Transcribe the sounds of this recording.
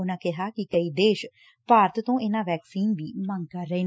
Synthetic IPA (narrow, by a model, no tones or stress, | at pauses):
ʊnãːkɪɦaːkɪkəiːd̪eːʃ | paːɾt̪t̪õːɪnãːʋɛːksiːnʋiːmãːŋɡkaɾəiː